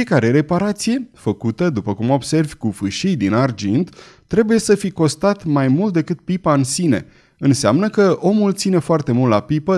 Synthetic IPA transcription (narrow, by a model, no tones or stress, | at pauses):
iekaɾe̞ɾe̞paɾat̪sije̞fəkut̪əd̪upəkumo̞bse̞rvʲkufɨʃijd̪inard͡ʒint̪ | t̪ːɾe̞buje̞səfiko̞st̪at̪majmult̪̚d̪e̞kɨt̪̚pipaɨnsine̞̰ | ɨnseamnəkəo̞mult̪sine̞foart̪e̞mult̪lapipə